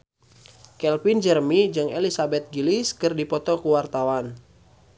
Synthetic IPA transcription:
kɛlpind͡ʒərmid͡ʒɨŋelisabɛt̪̚ɡiliskɨrdipɔt̪ɔkuwart̪awan

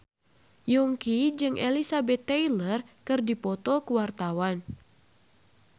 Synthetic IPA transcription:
jɔŋkid͡ʒɨŋʔḛlisabɛt̪ːɛjlərkɨrdipɔt̪ɔkuwart̪awan

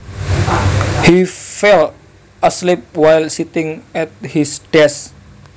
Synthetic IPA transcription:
hifɛl | əslip̚wajlsit̪ɪŋɛt̪̚hisd̥ɛs

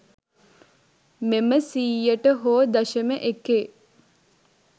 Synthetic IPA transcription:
meməsiːjəʈəɦoːd̪ɐʃəməʔekeː

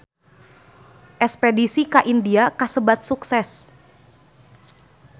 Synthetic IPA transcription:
ʔɛspedisikaʔindiakasəbat̪̚suksɛs

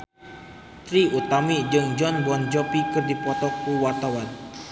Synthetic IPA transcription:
t̪ɾiut̪amid͡ʒɨŋd͡ʒɔnbɔnd͡ʒɔpikɨrdipɔt̪ɔkuwart̪awan

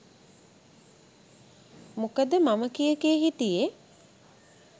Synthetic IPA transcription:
mukəd̪əmaməkijəkijəɦit̪ije

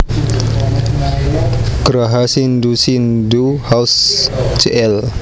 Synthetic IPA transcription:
kɾaɦasindusinduhausd͡ʒeʔɛl

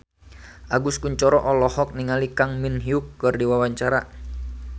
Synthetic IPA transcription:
ʔaɡuskuɲt͡ʃɔɾɔʔɔlɔhɔk̚niŋalikaŋminɦiukːɨrdiwawaɲt͡ʃaɾa

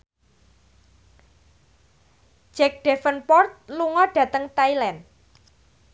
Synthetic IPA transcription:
d͡ʒ̥ɛk̚ɖ̥efənpɔrt̪̚luŋɔɖ̥ä̤t̪əŋt̪ailɛn

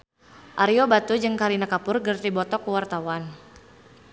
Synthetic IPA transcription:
ʔaɾiobat̪ud͡ʒɨŋkaɾinakapʊrɡərt̪ibɔt̪ɔkuwart̪awan

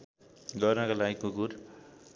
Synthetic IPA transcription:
ɡʌrnʌkalaɡikuɡuɾ

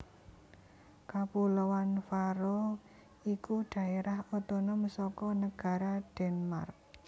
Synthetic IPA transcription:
kapulowanfaɾo | ikuɖ̥a̤eɾahot̪ɔnɔməsɔkɔnəɡ̥a̤ɾaɖ̥ɛnma̰rk̚

